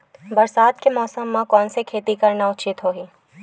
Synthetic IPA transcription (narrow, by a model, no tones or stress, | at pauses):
bɐɾsaːt̪kemɔːsəmːãkɔːnsekʰeːt̪ikɐɾnaʊt͡ʃɪt̪ɦoːɦiː